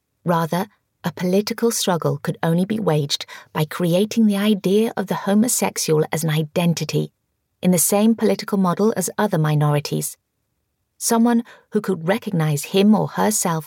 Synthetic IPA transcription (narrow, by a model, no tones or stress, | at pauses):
ɹæðə˞ | ʔəpʰəlɪɾɨkəl̩ˠstɹ̥ʌɡl̩ˠkʰɨɾõʊ̃nlibḭweɪd͡ʒb̥aɪkʰɹ̥ieɪɾɪ̃ŋðiaɪdiɨʔʌ̰vðɨhõʊ̃mɨsɛkʃəl̩ˠɨz̃n̩aɪdɛ̃ntɨɾḭ | ʔɨ̃nðɨsẽɪ̃mpʰəlɪɾɨkl̩ˠmɑɾl̩ˠɨ̰zʌðə˞maɪnɔɹɨɾʰḭz̥ | sʌ̃mwʌ̃nhʉkʰəd̚ɹɛkɨɡ̚naɪz̥ɪ̃mə̰˞ə˞sɛlˠf